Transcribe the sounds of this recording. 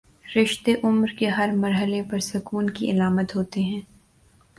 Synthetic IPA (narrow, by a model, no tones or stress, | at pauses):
ɾɪʃt̪eʔʊmɾkeɦɐɾmɐɾɦəlepɐɾsɐkuːnkiʔɪlaːmət̪ɦoːt̪eɦɛ̃ː